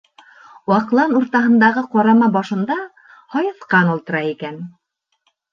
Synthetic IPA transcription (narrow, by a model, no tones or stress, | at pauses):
wɑqlˠɑnuɾt̪ɑɦɤ̆nd̪ɑʁɤqɑɾɑmɑbɑʃɤ̆nd̪ɑ | hɑjɤ̆θqɑnulˠt̪ɤ̆ɾɑikæn